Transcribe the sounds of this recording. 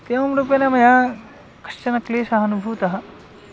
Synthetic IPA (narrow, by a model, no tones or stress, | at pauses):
t̪eʋɐmɾuːp̬jɐnɐmɐja | kɐ̥ʃt͡ʃɐnɐkleːsɐɦɐnubʱuːt̪ɐɦɐ̆